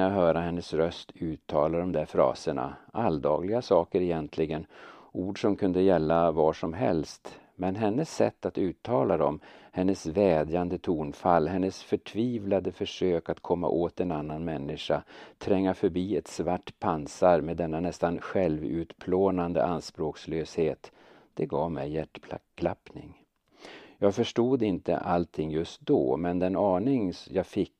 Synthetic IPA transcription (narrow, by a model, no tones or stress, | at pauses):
jaɦœːɾahɛnːəsɾœst̪ʰʉ̟ːt̪ʰːɑːlad̪ɔmd̪æɾfɾɑ̰ːsəɳa̰ʔald̪ɑ̰ːɡlɪɡasɑːkəɾɛjɛnt̪ʰlɪɡənuːɖʂɔmkʰɵnd̪əjɛlːavɑːʂɔmɦɛ̰lst̪mɛnɦɛnːəsːɛ̰t̪ːat̪ʉ̟ːt̪ʰːɑːlad̪ɔ̰mhɛnːəsvɛːd̪jand̪ət̪ʰuːnfalːɦɛnːəsfœʈʰviːvlad̪əfœʂøːkat̪kʰɔmːa̰ʔoːt̪ɛnanːanmɛnːɪʂat̪ʰɾɛŋːafœɾbiːɛt̪svaʈːpʰansaɾmed̪ɛnːanɛst̪anɧɛlvʉ̟ːt̪pʰloːnand̪ə̰ʔanspɾoːksløːsheːt̪ | d̪̥ɛɡɑːvmɛ̰jjæʈːʰlʰ | lapnɪ̰ŋ | jɑːɡfœʂʈuːd̪ɪnt̪ə̰ʔalt̪ʰɪŋːjɵst̪̚d̪o̰ːmɛnd̪ɛnɑːɳɪŋjɑːfɪkː